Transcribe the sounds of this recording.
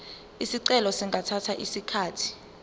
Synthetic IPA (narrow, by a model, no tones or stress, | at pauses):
isiǀɛlɔsiŋɡʱatʰatʰaʔisikʰaːtʰi̥